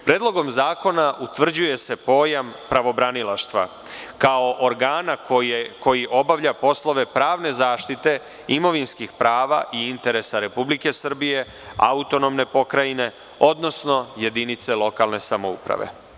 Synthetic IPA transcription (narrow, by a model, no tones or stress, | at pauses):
pɾeːd̪lˠo̞ɡo̞mzaːko̞naʔut̪ʋr̩d͡ʑuje̞se̞po̞ːjampɾaʋo̞bɾanilˠaʃt̪ʋa̰ | kaoʔoɾɡaːnakko̞jiʔo̞baʋʎapo̞slˠo̞ʋe̞pɾaːʋne̞zaːʃt̪it̪e̞ | imo̞ʋinskixpɾaːʋa̰ʔiint̪e̞ɾesaɾe̞publike̞sr̩bije̞ | a̰ut̪o̞no̞mne̞po̞kɾajine̞ | o̞d̪no̞sno̞je̞d̪init̪se̞lo̞kalˠne̞samoṵpɾa̰ʋe̞̰